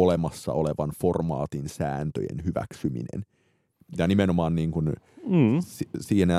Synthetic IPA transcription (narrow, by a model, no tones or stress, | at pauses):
olemɑsːɑ̰oleʋɑnformɑ̰ːt̪insæːnt̪ø̰jḛnhyʋæ̰ksymḭnḛn | jɑnimenomɑːnniːŋkunː | sisiːnæ